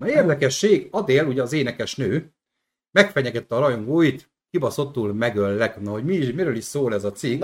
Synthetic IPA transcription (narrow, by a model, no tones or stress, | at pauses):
ɒeːrd̪ɛkɛʃːeːɡɒd̪eːluɟɛɒzeːnɛkɛʃnøː | mɛkfɛɲɛɡɛt̪ːɛːɾɒjoŋɡoːit̪ | kibɒso̞t̪ːuːlmɛɡølːɛknɒɦo̞ɟmiːʃmiɾøːliʃsoːlɛzɒt̪siɡ